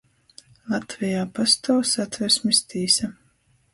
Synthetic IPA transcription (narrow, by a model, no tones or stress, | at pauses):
lˠat̪vijaːpast̪awsat̪vɛɾsmist̪iːsa